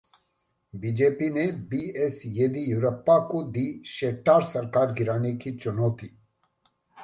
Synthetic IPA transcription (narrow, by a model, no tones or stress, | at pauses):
bid͡ʒeːpinebiesjed̪ijuɾɐpːakod̪iʃeːʈaːɾsɐɾkaːɾɡiɾaːnekit͡ʃonoːt̪i